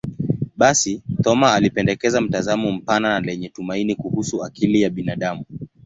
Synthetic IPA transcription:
ɓasitɔmaːlipɛndɛkɛzam̩tazamɔm̩pananalɛɲɛtumainikuhusuakʰilijaɓinaɗamu

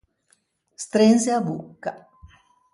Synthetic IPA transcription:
st̪ɾenseabukːa

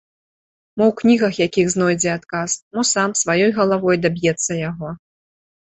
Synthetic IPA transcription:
mɔwknʲiɣɐxjakʲiɣznɔjd͡zʲɛat̪kasmɔsamsvajɔjɣɐlˠavɔjd̪abʲjɛt̪sːɐjaɣɔ

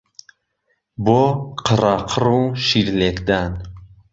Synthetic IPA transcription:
bɔqʰəɾaqʰɾũʃiɾlekd̪an

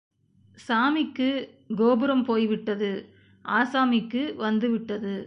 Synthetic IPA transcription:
saːmɪkːɯ | ɡoːbɯɾɐmpoːjʋɪʈːɐðɯ | ʔaːsaːmɪkːɯʋɐnd̪ɯʋɪʈːɐðɯ

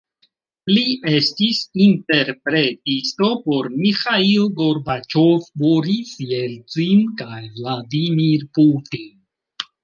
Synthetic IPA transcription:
liʔe̞stisinte̞ɾpɾe̞tisto̞po̞ɾmixailɡo̞ɾbat͡ʃovboɾisjelt͡sinkajvladimiɾputin

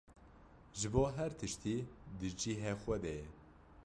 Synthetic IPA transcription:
ʒɨboːɦɛɾt̪ʰɨʃt̪iːd̪ɨd͡ʒiɦɛxʷɛd̪ɛɛ

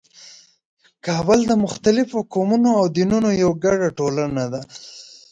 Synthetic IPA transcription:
kɑːbəld̪əmʊxt̪alɪfokomunoawd̪inunojawɡaɽaʈolanad̪a

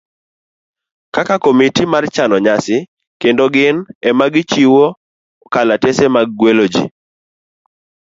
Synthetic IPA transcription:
kakakomitimart͡ʃanɔɲasɪ | kendoɡɪnɛmaɡɪt͡ʃiwo | kalatesemaɡ̚ːwelod͡ʒḭ

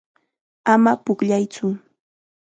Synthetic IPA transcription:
amapʊkʎajt͡sʊ

